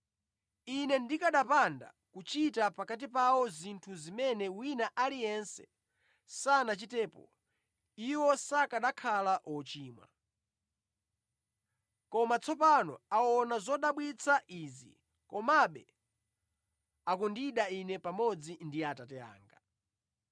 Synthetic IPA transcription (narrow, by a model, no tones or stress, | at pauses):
inɛndikaɗapanda̰ | kut͡ʃitapakat̬ipawɔzintʰuzimɛnɛwinaʔalijɛnsɛ̰ | sanat͡ʃitɛːpɔ̰ | iwɔsakaɗakʰalaʔɔt͡ʃiːmwa̰ | kɔmat͡sʰɔpanɔ̰awɔnazɔɗaɓwit͡sʰaʔizḭ | kɔmaɓɛ | akundiɗainɛpamɔd͡zindiatatɛa̰ːŋɡa